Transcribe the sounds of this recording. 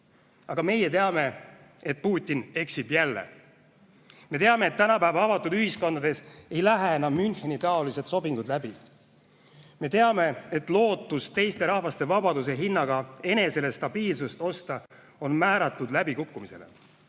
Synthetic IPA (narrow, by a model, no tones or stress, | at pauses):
ɑɡ̥ɑme̞jet̪e̞ɑme̞ | e̞t̪̚puːt̪ʲːˑine̞ksibjælːe̞̰ | me̞t̪e̞ɑmeːt̪ːænɑpæːvɑɑvɑt̪ːˑud̪yhisko̞nd̪ɑd̪̥e̞se̞jlæɦeenɑmːynhe̞nit̪ɑo̞lise̞t̪so̞biŋɡ̥ud̪læb̥i | me̞t̪e̞ɑme̞et̪ːlo̞ːt̪ːˑust̪e̞jst̪e̞ɾɑhvɑst̪e̞vɑbɑd̪us̬e̞ɦinːɑɡ̥ɑe̞ne̞se̞le̞st̪ɑbiːlsust̪o̞st̪ɑ | o̞nmæːɾɑt̪ːˑud̪læbikukːumise̞lḛ